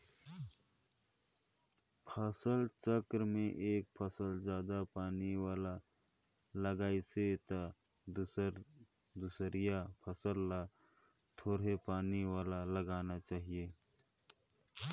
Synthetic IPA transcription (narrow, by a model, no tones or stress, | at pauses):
pʰəsəlt͡ʃəkɾmẽʔeːk̚pʰəsəld͡ʒjaːd̪apaːniwaːla | ləɡaːiset̪a | d̪usɾijapʰəsəlːa | t̪ʰoːɽɦepaːniwaːlaləɡaːnat͡ʃaːɦieː